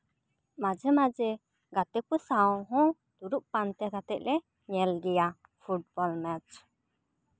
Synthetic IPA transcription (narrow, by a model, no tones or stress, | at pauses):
mad͡ʒəmad͡ʒɛ | ɡat̪ɛpəsaɔ̃ɦɔ̃ | d̪uɾuʔ̚pant̪ɛɡat̪ɛʔ̚lɛ | ɲɛlɡija | fʰuʈ̚bɔlmɛt͡ʃ